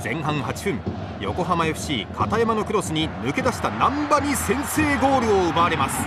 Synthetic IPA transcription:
z̥ẽ̞ɰ̃ɦãɰ̃ɦat͡ɕi̥ɸɯ̟̃ŋ | jo̞̰ko̞ɦamajoɸ̟ɕiːkʰat̪ajamano̞kɯ̟ɾo̞sɨɲ̟imɯ̟ke̞d̪aɕi̥t̪anãmbaɲ̟isẽ̞ɰ̃se̞ːɡo̞ːɾɯ̟oɯbaːɾe̞masɨ̥

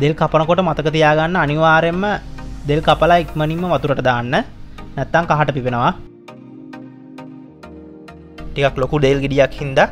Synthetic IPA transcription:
d̪elkapənəkoʈəmat̪əkət̪̬ijaːɡanːəaniʋaːɾemːəd̪elkapəlaik̪mənimːəʋat̪uɾəʈəd̪aːnːənɛt̪ːaŋkaɦaʈəpiʋenəʋa | ʈikaklokud̪eːlɡiɖijakhind̪a

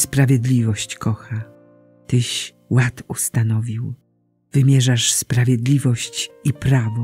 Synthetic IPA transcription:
spɾavʲjɛd̪lʲivɔɕt͡ɕkɔxa | t̪ɘɕ | wat̪ust̪anɔvʲiw | vɘmʲjɛʐaʂspɾavʲjɛd̪lʲivɔɕt͡ɕipɾavɔ

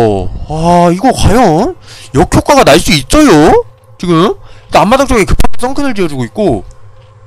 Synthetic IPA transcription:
aiɡʌkwajʌnjʌkʰjok͈aɡanaɭs͈uit̚t͡ɕ͈ʌjo | t͡ɕiɡɯmt͈aamːadakt͡ɕ͈oɡekɯpʰatʰas͈ʰʌŋkʰɯnɯɭt͡ɕijʌd͡ʑuɡoit̚k͈o

